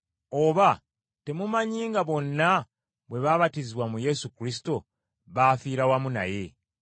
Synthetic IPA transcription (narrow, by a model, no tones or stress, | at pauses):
oːβa | te̞mumaɲiːŋɡaβo̞nːa | βwe̞βaːβatiziβwamuje̞sukɾisi̥to̞ | βaːfiːɾawamuna̰je̞